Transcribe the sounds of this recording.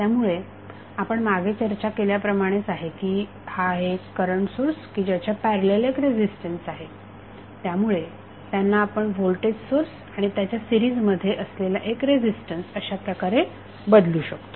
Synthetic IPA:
t̪jamuɭe | apəɳmaɡʱet͡ɕəɾt͡ɕakeljapɾəmaɽ̃et͡saɦekiː | haɦeəɾəɳsoɾskiːd͡ʑjat͡ɕapæɾəlelekɾed͡ʑisʈənsaɦe | t̪jamuɭe | t̪janːaːpəɳʋolʈeɖsoɾs | aɽ̃it̪jat͡ɕjasiɾiːd͡zməd̪ʱːjeʔəslelaʔekɾed͡ʑisʈənsəɕapɾəkaɾe | bəd̪luːɕəkt̪o̥

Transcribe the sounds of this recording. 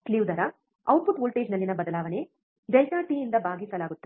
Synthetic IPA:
kliʋd̪ɐɾɐ | ɐwpupoːlʈe̞ːd͡ʒnɐlːinɐbɐd̪ɐlaːʋɐne̞ | ɾɐjkaːʈijind̪ɐbʱaːɡisɐlaːɡut̪ːɐ

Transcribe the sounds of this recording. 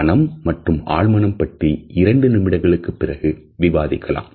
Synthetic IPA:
ɐnɐmːɐʈrɯma̰ːɻmɐnɐmpɐʈriɪɾɐɳɖɯnɪmɪɽɐɪɣɐɭɯkːɯpːɪrɐɣɯʋɪʋaːðɪkːɐla̰ːm

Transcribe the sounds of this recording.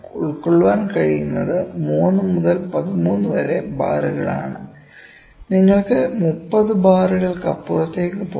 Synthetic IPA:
uɭkːoɭːuʋaːnkɐɻijunːɐðɨmuːnːɨmuðɐlpɐðimuːnːɨʋɐɾe̞ba̰ːruɣɐɭa̰ːɳɨ | niŋːɐɭkɨmupːɐðɨbaːriɣɐɭkɐpːurɐt̪ːe̞ːkːɨpo

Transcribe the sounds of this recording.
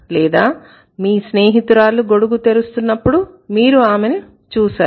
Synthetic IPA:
lɛːd̪aː | miːsneːɦit̪uɾaːluɡo̞ɽuɡut̪e̞ɾust̪unːɐpːuɽumiːɾuaːmeni | t͡ʃuːsaːu

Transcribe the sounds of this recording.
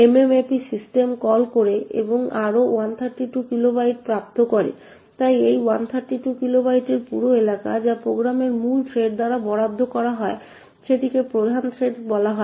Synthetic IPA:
ememepisisʈemkɔlkoɾeḛboŋaɾowant̪ʰaɾʈiʈukilobajʈpɾap̚t̪okoɾḛ | t̪ajejwant̪ʰaɾʈiʈukilobajʈeɾpuɾoelaka̰d͡ʑapɾoɡɾameɾmult̪ʰɾeɖ̚d̪aɾabɔɽab̚d̪ʱːokɔɾaɦɔe | ʃeʈikepɾod̪ʱant̪ʰɾeɖbɔlaɦɔe

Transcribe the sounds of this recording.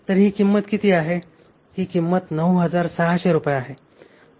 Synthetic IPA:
t̪əɾɦiːkimːət̪kit̪ʰiːaɦe | hiːkimːət̪nəwɦəd͡zaɾsaɦɕeɾupəjaɦe

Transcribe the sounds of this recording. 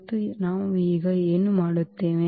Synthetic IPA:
t̪ːunaːʋuiːɡɐeːnumaːɽut̪ːeːʋe

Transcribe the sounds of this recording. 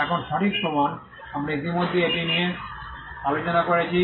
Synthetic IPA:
ɛkʰɔnʃɔʈik̚pɔmɔn | amɾait̪̬imod̪ʱːeepinije | alot͡ʃɔnakoɹet͡ɕʰi

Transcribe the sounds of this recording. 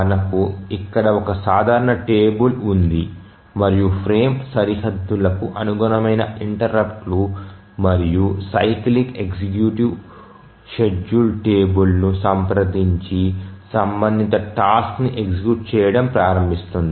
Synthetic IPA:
ɐnɐkuikːɐɽɐɔkɐsaːd̪ʱaːɾɐɳɐʈeːbulund̪i | mɐɾijupʰɾeːmsɐɾihɐd̪ːulɐkuʔɐnuɡuɾɐmɐjnɐiɳʈɐɾɐpʈlu | mɐɾijusɐjklike̞ksikjuʈiʋ | ʃeɖulʈeːbulnusɐmpɾɐd̪iɲt͡ʃisɐmbɐnd̪ʱit̪ɐʈaːskniʔeksikjuːʈ̚t͡ʃɛːjɐɽɐmpɾaːɾɐmbʱist̪und̪i

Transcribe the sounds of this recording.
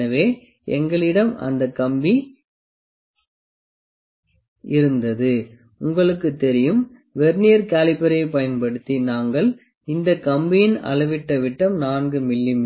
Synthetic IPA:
ɐʋeː | ɛ̰ŋɡɐɭɪɽɐmɐ̰nd̪ɐkɐmbi | ɪɾɯnd̪ɐðɯ | ʊŋɡɐɭɯkːɯt̪ːɛɾɪjɯm | ʋɛɾnijɐɾkaːlɪpːɐɾɐɪpɐjɐnpɐɽɯt̪ːinaːŋɡɐɭ | ɪnd̪ɐkɐmbɪjɪnɐ̰ɭɐʋɪʈːɐʋɪʈːɐmnaːnɡɯmɪlːɪm

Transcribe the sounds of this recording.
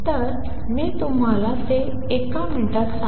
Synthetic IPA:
t̪əɾ | miːt̪um̤alat̪e | ekamiʈat̪sa

